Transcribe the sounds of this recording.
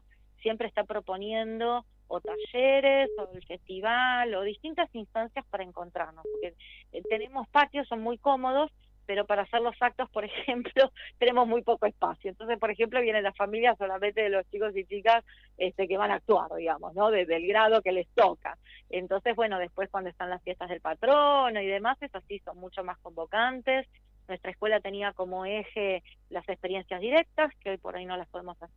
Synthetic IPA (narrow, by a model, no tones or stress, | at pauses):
sje̞mpɾeːst̪apɾo̞po̞njend̪o̞ː | t̪aʒeɾeso̞elfe̞st̪iβ̞alo̞ðist̪int̪asinst̪ansjaspaɾaeŋko̞nt̪ɾaɾnospoɾkeet̪e̞ne̞mo̞spat̪josːo̞nmujko̞mo̞ð̞o̞s | pe̞ɾo̞paɾaːseɾlosak̚t̪o̞spo̞ɾexe̞mplo̞t̪ene̞mo̞zmujpo̞koespa̰sjoent̪ons̬e̞spo̞ɾexe̞mplo̞βjenenlafamiljasolament̪eðelo̞st͡ʃiko̞s̬it͡ʃikas | est̪ekeβ̞anaːk̚t̪wa̰ɾðiɣamo̞̰sno̞ðeðelɣɾað̞o̞ke̞le̞st̪oka̰ent̪o̞nse̞zβwe̞no̞ð̞e̞spwe̞skwand̪oest̪anlasfje̞st̪azð̞e̞lpat̪ɾono̞iðe̞mase̞sasiso̞nmut͡ʃomasko̞mbo̞kant̪e̞s | nwest̪ɾaeskwe̞lat̪e̞niako̞mo̞exe | lasekspe̞ɾje̞nsjazðiɾe̞k̚t̪askeo̞jpo̞̰ɾajno̞laspo̞ðemosase